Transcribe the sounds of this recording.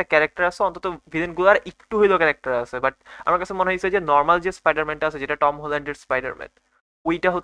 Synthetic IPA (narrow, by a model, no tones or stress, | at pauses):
akɛɾak̚ʈaɾasʰeɔnt̪ɔt̪ɔvilenɡulaɾʔekʈuɦojlokɛɾak̚ʈaɾasʰebaʈ̚a̰maɾkasʰemoneɦosʰed͡ʑenɔɾmald͡ʑespajɖaɾmɛnʈaasʰed͡ʑeʈaʈɔmɦolaɳɖeɾspajɖa̰ɾmɛ̰n | ojʈaɦo